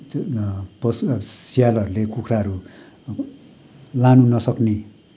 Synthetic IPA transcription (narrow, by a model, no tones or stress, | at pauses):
pʌssijalɦʌɾulekukʰraʌɾu | lanunʌsʌkne